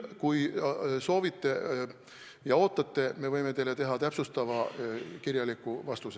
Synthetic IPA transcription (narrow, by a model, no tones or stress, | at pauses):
kujso̞ːvit̪ˑːe̞ | jɑo̞ːt̪ːˑɑt̪ːe̞me̞vɤ̞jme̞t̪eːlːe̞t̪e̞ɦɑt̪æpsust̪ɑvɑkirjɑlikːˑuvɑst̪us